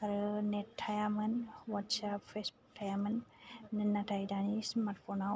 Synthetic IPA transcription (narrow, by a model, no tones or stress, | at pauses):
aɾənetʰːajamənwatsapfesbuk̚ʈʰajamənːənːatʰajdanismaɾʈfona